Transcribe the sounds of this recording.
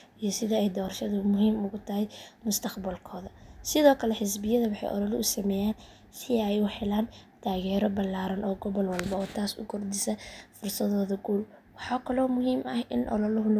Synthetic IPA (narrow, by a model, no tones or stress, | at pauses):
ʔijɞsɪðɐɛjd̪ɔːrʃɐðʊmʊɦiːmʊɣʊt̪ʰɐɦɛjmʊst̪ʰɐqbɐlkʰɔːðɐsɪðɔːkʰɐlɛħɪs̬bɪjɐðɐwɑħɑ̰jʔɔ̰lɔlʊʔʊsɐmɛːjaːn | sɪɛjʊħɛlaːnt̪ʰaːɣɛːɾɔbɐlːaːɾɐnʔɔːɡɔβɔlwɐlbɐɔːt̪ʰaːsʊ̰kʰʊrd̪ɪsɐfʊrsɐðɔːðɐɡuːlwɑħɑːkʰɐlɔːmʊɦiːmʔɐhɪ̰nʔɔ̰lɔlʊɦʊl